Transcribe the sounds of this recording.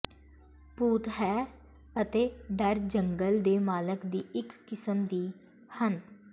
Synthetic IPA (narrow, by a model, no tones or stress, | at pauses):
puːt̪ɦɛː | ət̪eːɖəɾd͡ʒəŋɡəld̪eːmaːləkd̪iːɪkːɪsəmd̪iː | hən